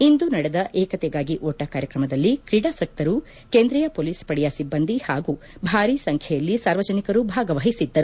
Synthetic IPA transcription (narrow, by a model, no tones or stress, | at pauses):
ind̪unɐɽɛd̪ɐʔɛːkɐt̪ɛɡaːɡiʔoːʈɐkaːɾjɐkɾɐmɐd̪ɐlːikɾiɽaːsɐk̚t̪ɐɾu | keːnd̪ɾɛjɐpoːliːspɐɽɛjasibːɐnd̪ihaːɡu | bʱaːɾisɐŋkʰjɛjɐlːisaːɾʋɐd͡ʒɐnikɐɾubʱaːɡɐʋɐːɦisid̪ːɐɾu